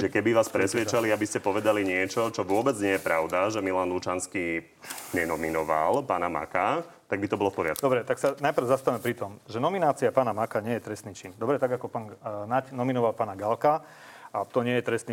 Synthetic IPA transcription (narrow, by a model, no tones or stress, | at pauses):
ʒɛkɛbiʋaːspɾɛsʋɪjɛt͡ʃaliabiscɛpɔʋɛd̪aliɲɪɛt͡ʃɔt͡ʃɔʋʊɔbɛd͡zɲɪɛjɛpɾaʊd̪aʒɛmilanlut͡ʃanski | ɲɛnɔminɔʋa̰lpaːnama̰ka | t̪aɡ̚bit̪ɔbɔlɔfpɔɾɪa̰t̪̚kd̪ɔbɾɛt̪aksanajpɾ̩ʊzast̪aʋmɛpɾit̪ɔmʒɛnɔminaːt͡siapaːnamakaɲɪɛjɛt̪ɾɛst̪niːt͡ʃind̪ɔbɾɛt̪aɡakɔpaːnnacnɔminɔʋalpaːnaɡalka | at̪ɔɲɪɛjɛt̪ɾɛst̪ni